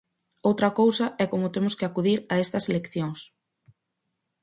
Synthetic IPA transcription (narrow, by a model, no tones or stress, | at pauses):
owt̪ɾɐkowsɐʔɛkomʊt̪emʊskɪakuðiɾɐest̪ɐselekθjoŋs